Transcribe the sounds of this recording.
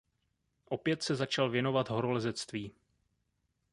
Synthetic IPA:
ʔo̞pjɛt̪sɛzat͡ʃalvjɛno̞vat̪ɦo̞ɾo̞lɛzɛt͡st̪viː

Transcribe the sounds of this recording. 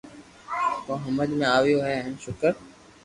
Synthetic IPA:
oːɦəməd̪mẽaːʋijoɦɛːɦnʃʊkəɾ

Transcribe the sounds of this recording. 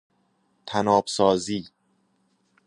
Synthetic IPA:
t̪ʰænɒːbsɒːziː

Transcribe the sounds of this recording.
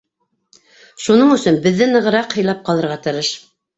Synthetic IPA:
ʃunɤɴɵ̆sɵnbɘ̆ðːɘnɤ̆ʁɤ̆ɾɑqhɤ̆jlˠɑp̚qɑlˠɤ̆ɾʁɑt̪ɤ̆ɾɤʃ

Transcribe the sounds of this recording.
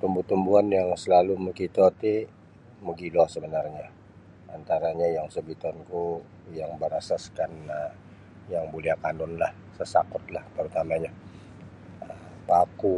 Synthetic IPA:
t̪umbut̪umbuanjaŋsəlaluməkit̪ɔt̪i | məɡilɔsəbənarɲa | ant̪aɾaɲajaŋsəbit̪ɔnku | jaŋbəɾasaskana | jaŋboliahkanɔnlah | səsa̰kʊt̪̚laht̪əɾut̪amaɲa | ə | paku

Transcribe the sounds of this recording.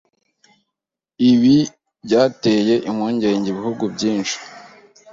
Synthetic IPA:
iβi | bɟaːteje̞ʔimŋoːɲɟe̞ɲɟeβihuɡubɟiːnʃi̥

